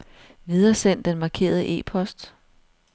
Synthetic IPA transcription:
ʋið̞ˠɐsen̰d̥enmɑ̈ːkʰe̝̰ːɐð̞ˠəʔe̝̰ːpʰɒ̽sd̥

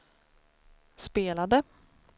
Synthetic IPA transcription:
speːlad̪ə

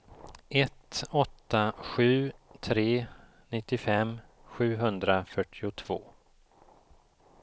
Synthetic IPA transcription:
ʔɛt̪ɔt̪ːaɧʉ̟ːt̪ʰɾeː | nɪt̪ːɪfɛmː | ɧʉ̟ːɦɵnd̪ɾafœʈʰːɪʊt̪ʰv̥o̰ː

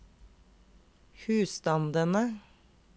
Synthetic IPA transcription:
hʉːst̪ɑnd̪ənə

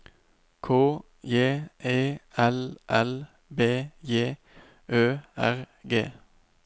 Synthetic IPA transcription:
kʰoː | jeːʔeːɛlʔɛl | beːjeː | ʔøːæʁ | ɡḛː

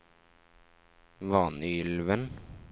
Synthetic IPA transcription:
ʋɑːnʏʏlʋən

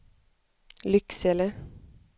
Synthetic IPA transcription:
lʏksɛlə

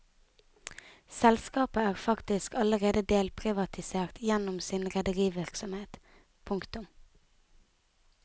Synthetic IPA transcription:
sɛlskɑːpəæːʁfɑkt̪ɪskɑləʁeːd̪əd̪eːlpʰʁɪʋɑt̪ʰɪseːʁt̪ʰjɛnʊmsɪnʁɛd̪əʁiːʋɪʁksɔmheːt̪ | pʰʊŋkt̪ʊm

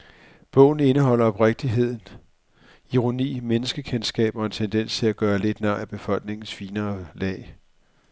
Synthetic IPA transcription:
b̥ɔ̽ʊn̩e̝nəɦɒ̽l̰ɐɒ̽b̥ʁeɡ̥̚d̥iɦe̝ð̞̰ˠn̩ | iʁo̝nḭːmenəsɡ̥əkʰensɡ̥ɛ̰ːb̥ɒ̽e̝nt͡sʰend̥en̰st͡sʰe̝læɡ̥ɶːɐle̝d̥nɑæb̥e̝fɒ̽l̰ɡ̥ne̝ŋn̩sfiːnɐːlɛ̰ː

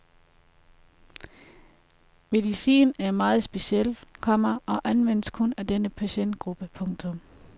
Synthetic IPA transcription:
me̝ðˠisḭːnæɐmɑ̈ːð̞̩ˠsb̥e̝ɕiel̰kʰɒ̽m̰ɐɒ̽ʔænʋen̰əskʰɔ̽næd̥enəpʰæɕen̰d̥ɡ̥ʁub̥əpʰɔ̽ŋt͡sʰɔ̽m

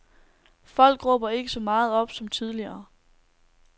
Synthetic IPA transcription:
fɒ̽l̰ɡ̥ʁɔːb̥ɐe̝ɡ̥əsɒ̽mɑ̈ːð̞̩ˠɒ̽b̥sɒ̽mt͡sʰið̞ˠliɐː

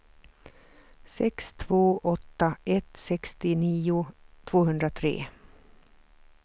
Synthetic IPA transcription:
sɛkst̪ʰvoːʔɔt̪ːaʔɛt̪sɛkst̪ɪniːʊt̪ʰv̥oːɦɵnd̪ɾat̪ʰɾḛː

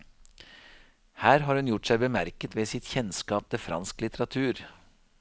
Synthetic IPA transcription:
hæːɾɦɑːɾhʉnjʊʈsæɪbəmæɾkət̪ʋeːsɪt̪çɛnskɑːp̚t̪ʰɛfɾɑ̰nsklɪt̪ʰəɾɑt̪ʰʉːɾ

